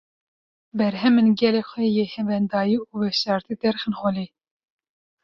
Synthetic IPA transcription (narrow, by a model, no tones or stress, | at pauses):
bɛɾɦɛmɨnɡɛleːxʷɛjehɛvɛnd̪ɑːjiuːwɛʃɑːɾt̪id̪ɛɾxɨnxoli